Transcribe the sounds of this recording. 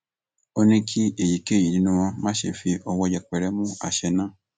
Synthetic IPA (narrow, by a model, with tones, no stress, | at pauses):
o˦nĩ˧kʰi˦e˦˨ji˨ke˦˨ji˨nĩ˧nũ˧w̃ɔ̃˧mãː˦ʃḛ˨fi˧ɔ˧wɔ˧jɛ˨k͡pɛ˨ɾɛ˦mũ˦a̰˨ʃɛ˧nã˦